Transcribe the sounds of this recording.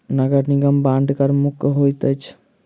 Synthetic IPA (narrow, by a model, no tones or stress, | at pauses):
nɐɡəɽniɡəmbãːɳɖkəɾmʊkɦojt̪ət͡ʃʰ